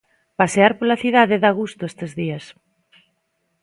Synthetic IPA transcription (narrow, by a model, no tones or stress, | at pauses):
paseaɾpolaθiðaðɪðaɣust̪ʊest̪ezðias